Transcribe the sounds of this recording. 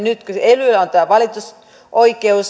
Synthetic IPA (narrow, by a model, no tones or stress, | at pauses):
nyt̪koselylæont̪æːʋɑlit̪us | ʔoikeus